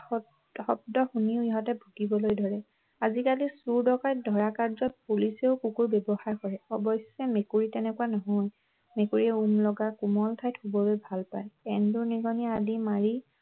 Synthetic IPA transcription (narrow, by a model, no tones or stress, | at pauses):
xɔb̚dɔxuniʊiɦɔtɛbʱuɡibɔlojdʱɔɹɛ | azikalisuɹdɔkaj̚dʱɔɹakaɹzɔt̚puliseʊkukuɹbɛbɔxaɹkɔɹɛɔbɔsɛmekuɹitɛnɛkuanɔɦɔj | mekuɹiɛumlɔɡakumɔltʰajtʰxubɔlojbʱalpajɛnduniɡɔniadimaɹi